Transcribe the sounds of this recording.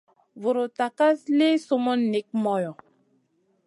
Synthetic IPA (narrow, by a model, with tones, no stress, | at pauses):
vu˨ɾo˨ta˨ka˦sle˦so˦mo˦nːe˨k̚mɔ˨jɔ̃˨